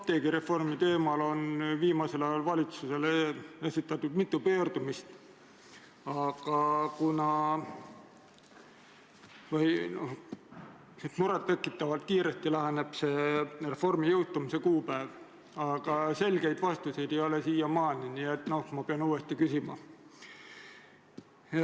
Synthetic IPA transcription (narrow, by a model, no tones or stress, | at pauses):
t̪e̞ːɡiɾe̞fo̞rmit̪e̞ːmɑlo̞nviːmɑse̞lɑjɑlvɑlʲit̪suse̞lee̞sit̪ːˑɑt̪ːud̪mit̪ːˑupøːrd̪umist̪ | ɑɡ̥ɑkunɑ | vɤjnoh | et̪muɾet̪ːe̞kːˑit̪ːˑɑvɑlt̪̚kiːɾe̞st̪ilæɦeneb̥se̞re̞fo̞rmijɯwt̪umise̞kuːpæev | ɑɡ̥ɑse̞lɡe̞jd̪̥vɑst̪use̞jd̪̥e̞jolesiːjɑmɑːniniet̪ːˑno̞hmɑpeɑnuːest̪ikysimɑ̰